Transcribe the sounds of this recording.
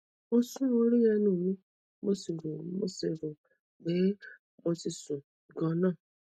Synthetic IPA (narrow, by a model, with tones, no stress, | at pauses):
o˦sũ˦ɾũ˦o˦ɾi˦ja˧nũː˦˨mĩ˦ | mo˦si˨ɾũ˨mo̰˦si˨ɾũ˨ | be˨˦ | mo˧si˨sũ˨ | ɡɔ˦nã˦˨